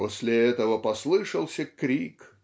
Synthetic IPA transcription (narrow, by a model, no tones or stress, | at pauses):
osʲlʲɪɛt̪əvəpɐslˠɨʂəlˠsʲəkɾʲik